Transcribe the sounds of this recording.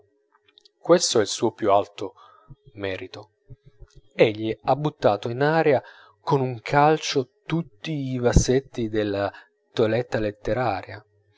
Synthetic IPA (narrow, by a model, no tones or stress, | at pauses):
kwest̪oɛilsuːopjualt̪o | mɛːɾit̪o | eʎːiabːut̪ːaːt̪oinaːɾea | konuŋkʰalt͡ʃot̪ut̪ːiːvasːet̪ːid̪elːa | t̪oalɛt̪ːalet̪ːeɾaːɾja